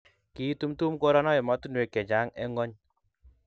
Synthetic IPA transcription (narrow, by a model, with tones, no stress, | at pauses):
ki˨˦tu˦mtu˦mko˦ɾɔ˦nɔ˦je˨mɔ˦tu˦nwe˨kɛ˨d͡ʒa˨˦ŋɛ˦ŋɔ˦ɲ